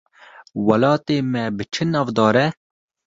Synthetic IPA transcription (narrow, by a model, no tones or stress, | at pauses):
wɐlɑːt̪eːmɛbɨt͡ʃʰɨnɑːvd̪ɑːɾɛ